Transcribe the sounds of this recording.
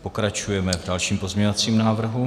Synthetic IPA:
po̞kɾat͡ʃujɛmɛvdalʃiːmpozmɲɛɲovat͡siːmnaːvr̩ɦu

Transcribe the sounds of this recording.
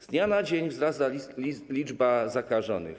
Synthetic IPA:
zd̪ɲanad͡ʑeɲvzɾast̪alʲid͡ʐbazakaʐɔ̰nɨ̰x

